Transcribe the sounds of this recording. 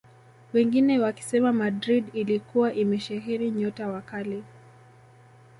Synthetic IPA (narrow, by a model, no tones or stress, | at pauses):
wɛŋɡinɛwaki̥sɛmamadɾidilikuwaʔimɛʃaɦɛɾiɲɔtawakali